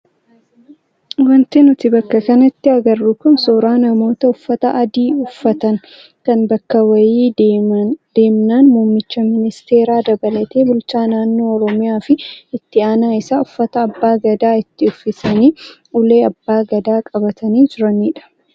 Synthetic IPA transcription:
wɐnt̪ɪnʊt̪ɪbɐkːɐkɐnɐt̪ːɪɐɡɐrːʊkʊnsoːɾaːnɐmo̞ːt̪ɐʊfːɐt̪ɐʔːd̪iːʊfːɐt̪ɐŋ | kɐnbɐkːɐwɐjiː | d̪̥e̞ːmnaːnmuːmːɪt͡ʃːɐmɪnɪst̪e̞ːɾaːd̪ɐbɐlɐt̪e̞ːbʊlt͡ʃaːnaːnːo̞ːɔɾɔmɪjaːfɪɪt̪ːɪaːnaːɪsaːʊfːɐt̪ɐːbːaːɡɐd̪aːɪt̪ːɪʊfːɪsɐniː | ʊle̞ːɐbːaːɡɐd̪aːkʼɐbɐt̪ʰɐniːd͡ʒɪɾɐniːᶑɐ̥

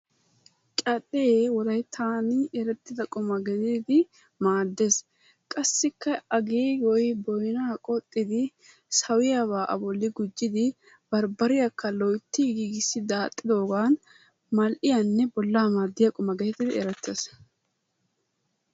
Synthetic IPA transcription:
t͡ʃʼɐt̪ʼːewɔlɐjt̪ʰaːnɪɛɾɛt̪ːɪd̪ɐkʼʊmɐɡɛd̪iːd̪ɪ | maːd̪ːes | kʼɐsːɪkːɐɐɡiːwɔjbɔjnaːkʼɔt̪ʼːɪd̪ɪ | sɐwɪjaβaːʔɐ̰bɔlːɪɡʊd͡ʒːɪd̪ɪ | bɐɾbɐɾɪjɐkːɐlɔjt̪ːiɡiːɡɪsːɪd̪aːt̪ʼːɪd̪o̞ːɡaːn | mɐlʔɪjanːɛbɔlːaːmaːd̪ːɪjɐkʼɔmɐɡɛt̪ɪd̪ɪɛɾɛt̪ʰːes

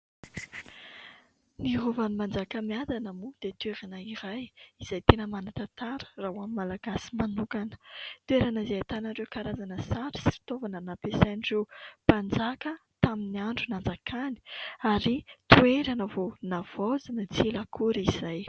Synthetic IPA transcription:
niɦuvanimand͡zakəmiad̪anəmud̪̥et̪ueɾinaiɾajiz̥ajt̪enəmanat̪at̪aɾə̥rauamimalaɡasi̥manukanə̥t̪ueɾanəizeat̪anəɾewkaɾazanəsaɾisifi̥t̪ovanənapesajnirewpand͡zakət̪aminiaɳɖ͡ʐunand͡zakʰani̥aɾit̪ueɾanəvonav̥ozanət͡sielakʰuɾizaj

